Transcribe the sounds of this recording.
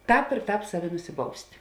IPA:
ˈtɑːp ɪr ˈtɑːp ˈsɑːˌʋʲɪ nʊsʲɪˈbɐʊsʲtʲ

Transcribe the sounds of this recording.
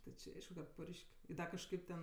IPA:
tʲɪ t͡ʃʲɪ ˈɐɪʃkʊ kɐt ˈpʊrʲʃʲkʲ ˈdɐ kɐʃˈkɐɪp tʲɛn

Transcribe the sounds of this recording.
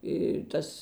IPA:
ɪ ˈtɐs

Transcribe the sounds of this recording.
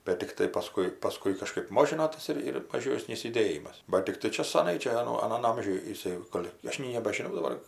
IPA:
bʲɛt tʲɪkˈtɐɪ pɐˈskʊɪ pɐˈskʊɪ kɐˈʃkɜp ˈmoːʒʲɪnoː ˈtɐs ɪr ɪr mɐˈʒʲoːsʲnʲiːs jʊˈdʲeːjɪmɐs bɐt tʲɪkˈtɐɪ ˈt͡ʃʲɛ sɐˈnɐɪ ˈt͡ʃʲɛ ɐˈnoː ɐˈnɐn ˈɐmʲʒʲʊj jɪˈsɐɪ ˈɡoːlʲ ˈɐʃ nʲɛɪ nʲɛbɐʒʲɪˈnɐʊ dɐˈbɐr

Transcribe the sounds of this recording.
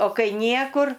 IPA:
oː ˈkɐɪ ˈnʲiɛkʊr

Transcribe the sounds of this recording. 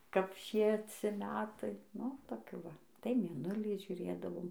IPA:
kɐp ˈʃʲiɛt͡sʲɪ ˈmʲæːtɐɪ ˈnʊ toːˈkʲuː ˈʋɐ tɐɪ mʲeːˈnʊlʲiː ʒʲʊˈrʲeːdɐʋoːm

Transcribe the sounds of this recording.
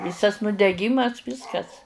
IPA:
ˈʋʲiːsɐs nʊdʲɛˈɡʲiːmɐs ˈʋʲiːskɐs

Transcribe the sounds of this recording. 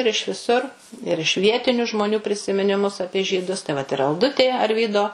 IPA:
ɪr ɪʃ ʋʲɪˈsʊr ɪr ɪʃ ˈʋʲiɛtʲɪnʲʊ ʒmoːˈnʲuː pʲrʲɪsʲɪmʲɪnʲɪˈmʊs ˈɑːpʲiɛ ʒʲiːˈdʊs tɐɪ ʋɐt ɪr ɐlˠˈdʊtʲeː ɐrʲˈʋʲiːdoː

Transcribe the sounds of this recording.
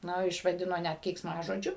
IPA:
ˈnʊ ɪʃʋɐˈdʲɪnoː ˈnʲæt kʲɛɪksˈmɑːʒoːd͡ʒʲʊ

